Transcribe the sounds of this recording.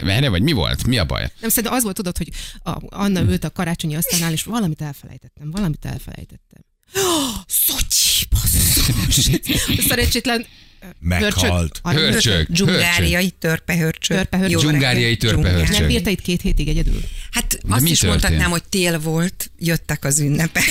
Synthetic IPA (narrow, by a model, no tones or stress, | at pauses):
ɛ̰nɛvɒɟmivo̞̰lt̪miɒ̰bɒ̰jnɛmsɛɾinɛmɒzʋo̞lt̪od̪o̞t̪ho̞ɟɒ̰ɒnːɒylt̪ɒkɒɾaːt͡ʃo̞ɲiɒst̪aːnːaːleːʃvɒlɒmit̪ɛlfɛlɛ̰jt̪ɛt̪ːɛmvɒlɒmit̪ɛ̰lfɛ̰lɛ̰jt̪ɛt̪ːɛ̰m | soci̥pɒz | sɛɾɛɲt͡ʃːeːt̪lɛnmɛ̰hørht͡ʃølt̪ɒøt͡ʃø̰ɡd͡ʒuŋøɡaːɾɾijɒjit̪ørpɛɦørt͡ʃøørpɛøjod͡ʒuɡaːɾijɒjit̪øuŋɛhøniːrt̪ɛit̪keːt̪heːt̪iɡɛɟɛd̪y̰lhat̪ɒɛsmiʃot̪hɒt̪ːnaːmho̞c̚t̪eːlvo̞lt̪jøt̪ːɛkɒzynːɛpɛ